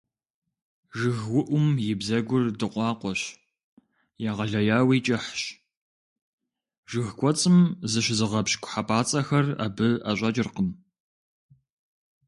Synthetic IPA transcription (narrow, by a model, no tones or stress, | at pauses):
ʒɨɣwʊʔʷʊmjɪbzɐɡʷʊrdɨqʷʼɑːqʷɔɕ | jaːʁɐɮɐjaːwiːt͡ʃʼɐħɕ | ʒɨxkʷʼɔt͡sʼɨmzɨɕzɨʁɐpɕkʷʰʼħapʰʼaːt͡sʼɐxɐra̰ːbɨa̰ɕʷʼɐt͡ʃʼɪrqən